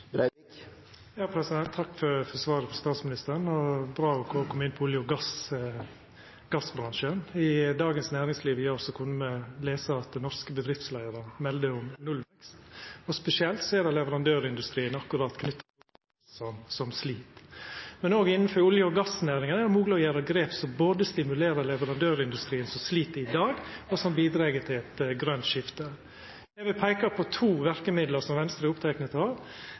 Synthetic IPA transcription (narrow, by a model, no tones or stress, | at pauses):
ɾ | jɑːpʰɾɛsɪd̪ɛnt̪ʰːɑkːfɔɾfɔsʋɑːɾəfɔst̪ɑːt̪smɪnɪst̪əɾnɔbɾɑːɔkʰɔkʰɔmːəɪnpʰɔʊljəʊɡɑs | ɡ̥ɑsbɾɑŋʃənɪd̪ɑːɡənsnæːɾɪŋsliːʋɪɾɔsɔkʰʊnːəməleːsəɑt̪̚d̪ɛnɔɾskəbəd̪ɾɪft̪slæɪəɾəmɛld̪əʊmnʉlɛkst̪ɔspɛsɪɛlt̪sɔɛd̪ɛlɛʋəɾɑnd̪øːɾɪnd̪ʉst̪ɾiːənɑkːʊɾɑːt̪kʰnʏt̪ːə | sɔmsɔmsliːt̪mɛnoːɡɪnːənfɔɾʊljəɔɡɑsːnæːɾɪŋənæd̪ɛmuːɡləɔjæːɾəɡɾeːpsɔboːd̪əst̪ɪmʉleːɾəɾlɛʋəɾɑnd̪øːɾɪnd̪ʉst̪ɾiːənsɔmsliːt̪əɪd̪ɑːɡɔsɔmbiːd̪ɾɛːɡət̪ʰɪlɛt̪ɡɾœnt̪ʃɪft̪ə | jɛɪbɪpʰæɪkɑpʰɔt̪ʰuːʋæɾkəmɪd̪ləsɔmʋɛnst̪ɾəʊpt̪ʰæɪknət̪hɑːɾ